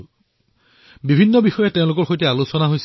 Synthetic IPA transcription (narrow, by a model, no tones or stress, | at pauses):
bibʱinːɔbixɔjɛtẽʊ̃lʊk̬ɔɹxojtɛalusɔnaɦojs